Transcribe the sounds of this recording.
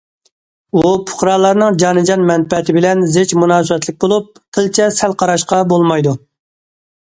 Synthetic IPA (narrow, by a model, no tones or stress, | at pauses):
upʰʊ̥χɾɑːlˠɑɾnɨŋd͡ʒɑnɨd͡ʒɑnmɛnpɛt̪ʰɪbɪlɛnzɪt͡ʃmunɑːsɨwɛt̪lɪk̚ʲbolˠup̚qʰəlt͡ʃʰɛsɛlqʰɑɾɑʃqɑbolˠmɑjd̪u